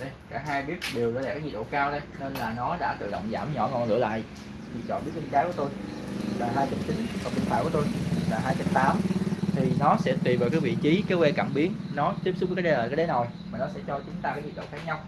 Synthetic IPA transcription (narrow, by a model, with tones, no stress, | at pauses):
ɗə˧jkaː˧˩ɦaː˧jɓi˦˥ət̚ɗi˨˩əwːlaː˨˧˨kaː˨˦k̚i˨˩ɗo̰˧˨kaː˧wɗə˧jne˧nlaː˨˩nɔ˨˦ɗa̰ː˧˥t̪ɨ̰˧˨ɗə̰˧˨wŋ͡mzaː˧˩mɲɔ˧˩ŋɔ˧˩nlɨ̰˧˥əla̰ː˧˨jʔ | ɲḭ˧˩t̚t͡ɕɔ̰˧˨nɓi˦˥t̚wi˧ŋzaː˦kət̪o˧jlaː˨˩ɦaː˧jt͡ɕə˨˦˥m̚t͡ɕi˨˦nkɔ˨˩kḭ˨˩t̪ʰaː˧˨jku˧˩˦to˧jlaː˨˩ɦaː˧jt͡ɕə˨˦˥p̚t̪aː˨˦mt̪ʰi˨˩nɔ˨˦sɛ̰˧˥t̪wi˨˩veː˨˩kaː˨˦jvḭ˧˨t͡ɕi˨˦ka˨˦wɛ˧ka˧˩mɓi˨˦ənnɔ˨˦t̪i˦˥p̚s̚və˦kːaː˨˦jɗe˨˦lːkaː˨˦˥ɗə˨˦nzo˨˩j | maː˨˩nɔ˨˦sɛ̰˧˥t͡ɕɔ˧t͡ɕʊ˨˦ŋ͡mt̪aː˧kaː˨˦k̚ɲi˨t̚ɗo̰˧˨xaː˦˥k̚ɲa˧w